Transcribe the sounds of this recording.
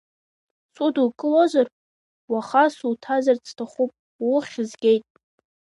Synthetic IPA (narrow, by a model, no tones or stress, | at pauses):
sʼudukʼɨlozar | waχasultʰazart͡sʰtʰaχʷupʼ | wʊχʲɪzɡʲe̞jtʼ